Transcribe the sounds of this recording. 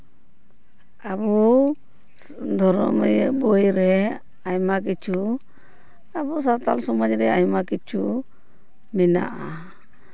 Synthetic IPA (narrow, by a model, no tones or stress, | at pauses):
abu | d̪ʱɔɾɔ̰mjbɔjɾɛ | ajmak̬it͡ʃu | abusat̪a̰lsɔmɔd͡ʒɾɛajmakit͡ʃu | mɛna̰ʔa